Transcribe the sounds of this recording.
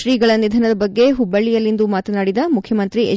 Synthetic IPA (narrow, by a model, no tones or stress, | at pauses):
ɾiːɡɐɭɐnid̪ʱɐnɐd̪ɐbɐɡːe̞ɦubːɐɭːijɐlːind̪umaːt̪ɐnaːɽid̪ɐmukʰjɐmɐnt̪ɾie